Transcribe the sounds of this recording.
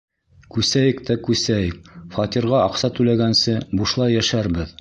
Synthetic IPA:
kʉsæjɘkt̪ækʉsæjk̚fɑt̪iɾʁɑɑqsɑt̪ʉlæɡænsɘbuʃlˠɑjjæʃæɾbɘð

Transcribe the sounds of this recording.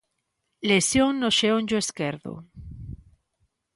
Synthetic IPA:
lesjoŋnoʃeoɲʲd͡ʒoeskeɾðo̰

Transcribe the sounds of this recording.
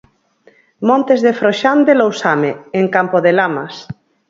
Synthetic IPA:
mõnt̪ezðefɾoʃand̪elowsameeŋkampoðelamas

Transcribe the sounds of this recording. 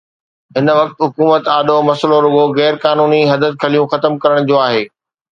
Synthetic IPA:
ɦɪnʋɐk̚t̪ɦʊkuːmət̪aːɗomɐsloɾʊɡoɣɛːɾkaːnuːniɦɐd̪ət̪̚kʰɐlijũxɐt̪əmkɐɾəɽ̃d͡ʑoːaːɦeː

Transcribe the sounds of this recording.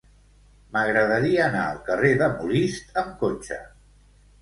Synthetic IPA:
məɣɾəðəɾiəːna̰əlˠkəreðəmulist̪əmkot͡ʃə̰

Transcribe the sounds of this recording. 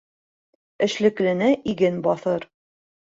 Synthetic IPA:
ɘ̆ʃlɘ̆klɘ̆nɘʔiɡɘnbɒθɤɾ

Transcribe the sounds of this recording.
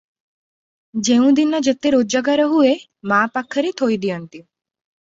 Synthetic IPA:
d͡ʒeũd̪inːad͡ʒet̪eɾod͡ʒaɡaɾəɦue | mapakʰːəɾit̪ʰojd̪iənt̪i

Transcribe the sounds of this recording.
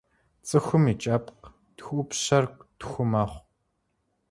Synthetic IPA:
t͡sʼɨxʷʊmit͡ʃʼɐpq | txʷʼʊpɕɐrkʷtxʷʊmaːχʷ

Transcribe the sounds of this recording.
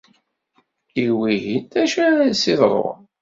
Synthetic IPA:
iwiɦint̪æʃæsiðˤɾˤo̰

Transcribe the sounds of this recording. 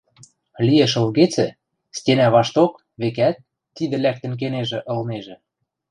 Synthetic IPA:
lieʃɤ̆lɣet͡sɘ̆ | stʲenæβɑʃt̪ok | βekæt̪̚ː | id̪ə̆læk̚t̪ə̆nk̬eneʒĕʔɤ̆lneʒĕ

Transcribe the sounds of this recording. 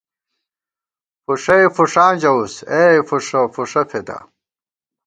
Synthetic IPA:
puʂɐifuʂãːd͡ʑɐusefuʂɐfuʂɐfʰet̪a̰

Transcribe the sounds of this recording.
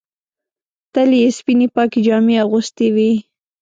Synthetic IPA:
t̪aliespinipɑkid͡ʒɑmeaɣʊst̪ewi

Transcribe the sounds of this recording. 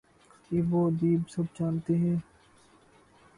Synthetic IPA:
iʋoːd̪iːbsɐbt͡ʃaːnt̪eɦɛ̃ː

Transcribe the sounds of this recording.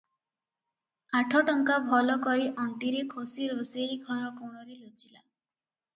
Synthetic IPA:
aʈʰɔʈɔŋkabʱɔlɔkɔɾiʔɔɳʈiɾekʰosiɾoseiɡʱɔɾɔkuɽ̃ɔɾelot͡ʃila̰

